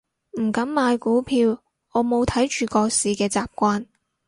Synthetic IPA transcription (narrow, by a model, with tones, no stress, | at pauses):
m̩˨˩kɐ˨˥mmaː˨˧jkuː˨˥pʰiː˧w | ŋɔː˨˧mo˨˧wt̪ʰɐ˨˥jt͡ʃyː˨˧kɔː˧siː˨˧kɛː˧t͡saː˨p̚kʷaː˥n